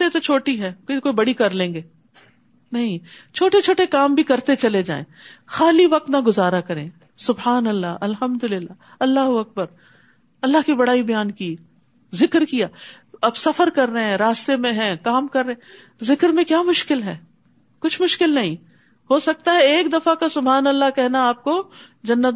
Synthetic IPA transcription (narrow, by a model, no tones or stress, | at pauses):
et̪ot͡ʃʰoːʈiɦɛːkkoːibɐɽikɐɾlẽːŋɡeː | nɐɦĩt͡ʃʰoːʈet͡ʃʰoːʈekaːmbʱikɐɾt̪et͡ʃɐled͡ʒa̰ːḛ̃xaːliʋɐq̚t̪naɡʊzaːɾakɐɾẽː | sʊbɦaːnɐlːaʔɐlɦɐmd̪ʊlɪlːaː | ɐlːaːɦʊɐk̚bəɾ | ɐlːaɦkibɐɽaːibɐjaːnki | zɪkɾkijaː | ɐbsɐfəɾkɐɾːeɦɛ̃ɾaːst̪emẽɦɛ̃kaːmkɐɾːeẽ | zɪkɾmẽkjaːmʊʃkɪlɦɛː | kʊt͡ʃʰmʊʃkɪlnɐɦĩ | hosɐk̚t̪aɦɛeːkd̪ɐfakasʊbʱɦaːnɐlːakɛɦnaaːp̚ko | d͡ʒɐnːət̪